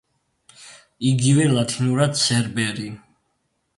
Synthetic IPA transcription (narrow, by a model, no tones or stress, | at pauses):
iɡivɛlat̪ʰinuɾad̪sɛɾbɛɾi